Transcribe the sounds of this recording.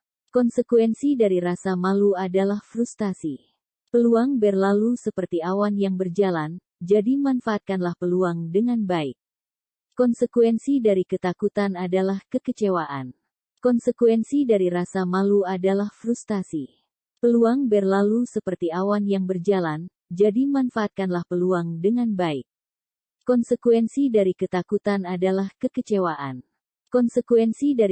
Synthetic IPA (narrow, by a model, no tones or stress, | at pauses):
kɔnsəkwɛnsidaɾiɾasamaluadalahfɾust̪asi | pəluaŋbɛrlalusəpərt̪iawanjaŋbərd͡ʒalan | d͡ʒadimanfaːt̪̚kanlahpəluaŋdəŋanbaik̚ | kɔnsəkuɛnsidaɾikət̪akut̪anadalahkəkət͡ʃewaʔan | kɔnsəkuwɛnsidaɾiɾasamaluadalahfɾust̪asi | pəluaŋbɛrlalusəpərt̪iawanjaŋbərd͡ʒalan | d͡ʒadimanfaːt̪̚kanlahpəluaŋdəŋanbaik̚ | kɔnsəkwɛnsidaɾikət̪akut̪anadalahkəkət͡ʃewaʔa̰n | kɔnsəkuɛnsida